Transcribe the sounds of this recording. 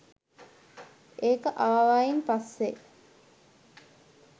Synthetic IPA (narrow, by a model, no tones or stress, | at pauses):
eːkəʔaʋaːʋaːjinpɐsːe